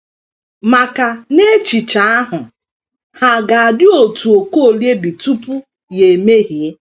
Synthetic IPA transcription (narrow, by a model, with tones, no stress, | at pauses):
ma˨ka˨ne˦t͡ʃi˨t͡ʃa˨a˦ɦʊ˨ | ha˨ɡa˨a˨dɪ˦o˨tu˨o˨ko˦˨lje˦bi˨tu˦pu˦ | je˨e˨me˦ɦi˨e˦